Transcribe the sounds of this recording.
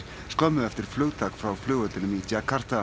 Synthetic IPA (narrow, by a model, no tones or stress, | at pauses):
skɔmːʏɛft̪ɪɾ̥flœːwt̪ʰakfɾawflʏwat̪ɪnʏmicakʰar̥t̪a